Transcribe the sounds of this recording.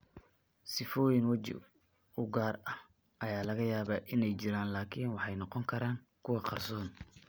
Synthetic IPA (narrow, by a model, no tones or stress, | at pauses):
sɪfɔːjɪŋwɐt͡ʃɪ̰ | ʊɡaːrɐh | ʔɐjaːlɐɣɐjaːβɐʔɪnɛjt͡ʃɪɾaːnlaːkʰiːnwɑħɑjnɔqɔŋkʰɐɾaːŋ | kʰʊwɑqɑrsɔːn